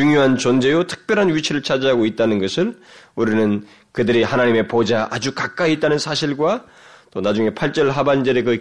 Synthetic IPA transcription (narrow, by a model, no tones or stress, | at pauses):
t͡ɕuŋjoɦant͡ɕʌnd͡ʑe̞jotʰɯ̥k̚p͈jʌɾɦanɥit͡ɕʰiɾɯɭt͡ɕʰad͡ʑaɦaɡoit̚t͈anɯnɡʌsʰɯɭuɾinɯn | kɯdɯɾihanaɲime̞pod͡ʑaʔad͡ʑukak͈aiːt͈̚anɯnsʰaɕʰiɭɡwa | t͈onad͡ʑuŋe̞pʰaɭt͡ɕ͈ʌɭɦaband͡ʑeɾekɯ